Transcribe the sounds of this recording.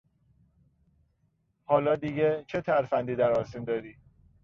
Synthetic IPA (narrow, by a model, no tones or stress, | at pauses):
hɒːlɒːd̪iɡet͡ʃʰet̪ʰæɾfænd̪iːd̪æɾɒːsind̪ɒːɾiː